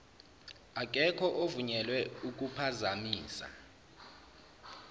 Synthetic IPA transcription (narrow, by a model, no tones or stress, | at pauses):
ak̬ʼɛkʰɔʔovuɲɛlwɛuk̬ʼupʰazamiːsa̰